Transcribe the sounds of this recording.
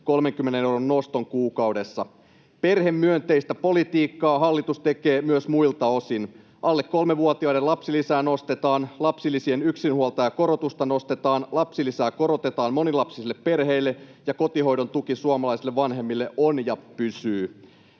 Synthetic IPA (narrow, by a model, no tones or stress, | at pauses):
ko̞lme̞ŋkymːenenewronːo̞st̪o̞ŋkuːkɑwde̞sːɑ | pe̞rɦemːyønt̪e̞ist̪æpo̞lit̪iːkːɑːɦɑlːit̪ust̪e̞keːmyøsmujlt̪ɑo̞sin | ʔɑlːekːo̞lmeʋuot̪iɑidelɑpsilisæːno̞st̪e̞t̪ɑːnlɑpsilːisienyksinhuolt̪ɑjɑko̞ɾo̞t̪ust̪ɑno̞st̪e̞t̪ɑːnlɑpsilisæːko̞ɾo̞t̪e̞t̪ɑːnmo̞nilɑpsisilːeppe̞rɦe̞ilːe̞jɑko̞t̪iɦo̞jdo̞nt̪ukisuɑmɑlɑjsilːeʋɑnɦe̞mːilːe̞ʔonjɑpysyː